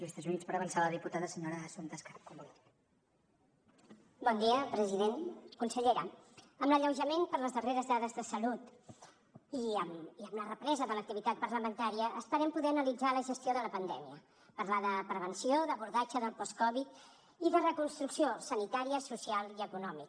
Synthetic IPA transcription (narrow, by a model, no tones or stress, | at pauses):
list̪azunit͡spəɾəβənsaləðiput̪aðəsəɲoɾəːsunt̪əskaɾp̚kumu | bɔnd̪iəpɾəziðenkunsəʎeɾə | əmləʎəwʒəmenpəɾləzðəreɾəzðaðəzðəsəlut̪ | iəmiəmlərəpɾɛzəðələk̚t̪iβit̪at̪̚pəɾləmənt̪aɾiəʔːst̪əɾɛmpuðɛənəlid͡zaləʒəst̪ioðələpənd̪ɛmiə | pəɾlaðəpɾəβ̞ənsioðəβuɾðad͡ʒəðəlˠpɔskɔβit̪ | iðərəkunst̪ɾuksiosənit̪aɾiəsusialˠiəkunɔmik